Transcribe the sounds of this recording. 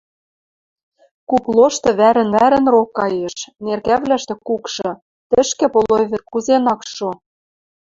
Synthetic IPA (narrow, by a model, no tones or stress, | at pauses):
kuplˠoʃt̪ɤ̆βæɾɘ̆nβæɾɘ̆nrokːɑjeʃnerkæβlæʃt̪ĕkukʃɤ̆ | t̪ɘ̆ʃkĕpolojβɘ̆rkuzenɑkʃo